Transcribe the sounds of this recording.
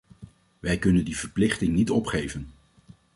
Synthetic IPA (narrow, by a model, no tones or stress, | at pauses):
ʋɛjkɵnəndiv̥əɹplɪχtɪŋnitɔpχejvən